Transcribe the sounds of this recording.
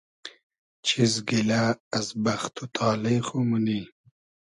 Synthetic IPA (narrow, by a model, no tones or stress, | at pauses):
t͡ʃʰizɡilaːzbaxt̪ʰut̪ʰɑːlexomuni